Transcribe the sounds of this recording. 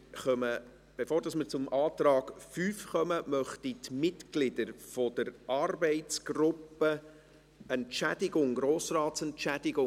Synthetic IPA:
χœmə | b̥efoːɾdɑsməɾt͡sʊmʔɑːt̪ɾɑːɡ̥fyːfχœməmœχtitmɪtɡlɪdəɾfɔd̥̪əɾɑrbɛɪtt͡sɡ̥rʊpːə | ɛntʃæd̥ɪɡʊŋɡɾoːsrɑːtsɛntt͡ʃæd̥ɪɡʊ

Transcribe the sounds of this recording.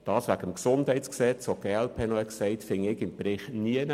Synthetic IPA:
d̥ɑːsʋæɡəmksʊndɦɛɪtt͡sksɛt͡soɡ̥eːɛlpʰeːnɔɛksɛɪtfɪŋɪɡɪmpɾɪχniən

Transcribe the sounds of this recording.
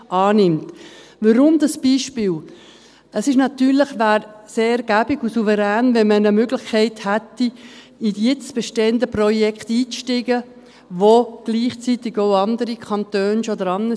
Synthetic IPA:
ɑːnɪmt̪vəɾʊmd̪ɑsb̥iːʃpɪːl | əsɪʃnɑt̪yːɾləχvæːɾseːɡ̥æbɪɡusuvəɾæːnvɛnmənəmøɡlɪχkʰɛɪthætːi | iɛt͡sb̥ɛʃteːənd̪əprɔjɛkχt̪iːt͡sʃtɪɡə | ʋoɡ̥liːχt͡sit̪ɪɡ̥oʊɑnd̪əɾikʰɑnt̪øːnsoɔd̪əɾɑnə

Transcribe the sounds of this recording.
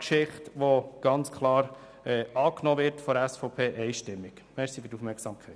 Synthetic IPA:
kʃɪχtʋoɡ̥ɑnt͡skʰlɑːɾ | ɛːɑːknɔːʋɪɾtfɔdæsfɔʊpʰeːʔɛɪʃtɪmːɪk | mɛɾsifyɾdufmɛɾksɑːmkʰɛɪt

